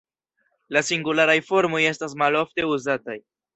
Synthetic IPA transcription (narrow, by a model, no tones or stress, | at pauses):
lasiŋɡulaɾajfo̞ɾmo̞je̞stas̬malofte̞uzataj